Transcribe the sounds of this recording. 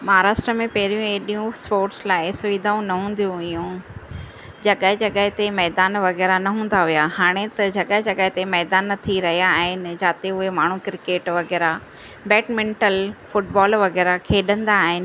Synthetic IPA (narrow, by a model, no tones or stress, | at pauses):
mɐɦaːɾaːʃʈɾəmẽpɐɦɪɾijũeɗijũspoːɾʈslaːɪsʊʋiːd̪ʱaːũnɐɦũːn̆d̪ijũʋɪjũ | d͡ʑɐɠəɦɪd͡ʑɐɠəɦɪt̪emɛːd̪aːnʋɐɣɛːɾanɐɦũːn̆d̪aɦijahaːɽ̃et̪ɐd͡ʑɐɠəɦɪd͡ʑɐɠəɦɪt̪emɛːd̪aːnːɐt̪ʰiɾɐɦijaːɦɪnɪ̆d͡ʑaːt̪eʊɦemaːɳ̤ũkɪɾɪkeːʈʋɐɣɛːɾa | bɛːʈmẽɳʈəlfʊʈbaːlʋɐɣɛːɾakʰeːɗə̃nd̪aːɦɪnɪ̆